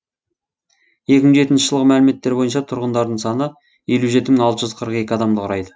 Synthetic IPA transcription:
je̞kʲɪməɴʒe̞t̪ɪnʃɪʒəlˠʁəmælɪme̞t̪ːe̞ɾbo̞jənʃɑt̪ʰʊɾʁənd̪ɑɾd̪əɴsɑnə | je̞luʒe̞t̪ɪməŋɑlˠt̪əʒʏzqʰəɾəqe̞kʲɪɑd̪ɑmd̪əqʰʊɾɑjd̪ə

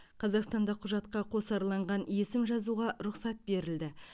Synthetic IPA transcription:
qʰɑzɑqst̪ɑnd̪ɑqʰʊʒɑt̪̚qɑqʰo̞sɑɾlˠɑɴʁɑnje̞sɪmʒɑzuʁɑɾʊqsɑt̪̚be̞ɾɪld̪ɪ

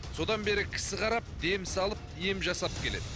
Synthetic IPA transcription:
so̞d̪ɑnbe̞ɾɪkʲʰɪ̥sɪqʰɑɾɑp̚d̪e̞msɑlˠəpje̞mʒɑsɑp̚kʲʰe̞le̞̰d̪ɪ

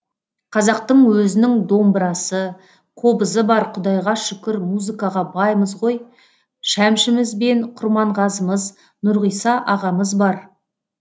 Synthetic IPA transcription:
qʰɑzɑq̚t̪əɴwɵzɪnɪŋd̪o̞mbəɾɑsə | qʰo̞bəzəbɑɾqʰʊd̪ɑjʁɑʃʏkʲɪɾmuzɨkɑʁɑbɑjməzʁo̞j | ʃæmʃɪmɪzbe̞nqʰʊɾmɑɴʁɑzəməz | nʊɾʁijsɑʔɑʁɑməzbɑɾ

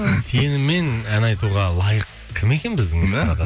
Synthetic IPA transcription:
se̞nɪme̞nænɑjt̪uʁɑlˠɑjəq | kʲʰɪme̞kʲe̞nbɪzd̪ɪŋɪzɑɾɑt̪ɑ

